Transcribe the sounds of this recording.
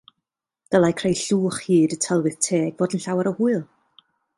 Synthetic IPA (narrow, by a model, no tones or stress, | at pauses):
d̥əlˠakʰrejɬuːχhiːdətʰəlˠwɨðtʰeːɡvoːdənɬawaɾəhuɨlˠ